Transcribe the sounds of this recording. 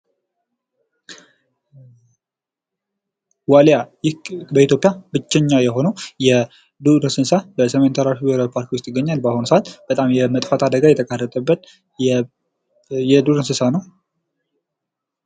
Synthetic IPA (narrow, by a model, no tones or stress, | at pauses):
waljajɪbəit̪jo̞pʼːjabɨt͡ʃːɛɲːajɛɦo̞nəwjɛ | d̪uɾɨsɨnsabəsəment̪ʰəɾaʃibeɾawipʰaɾkwʊst̪ʼjɪɡːəɲːalbahonsəat̪b̥ət̪ʼamjɛmət̪ʼfat̪ʰad̪əɡajɛt̪ʰəkʼarːət̪ʼəbːət̪̚ | jɛd̪uɾɨnsɨsanəw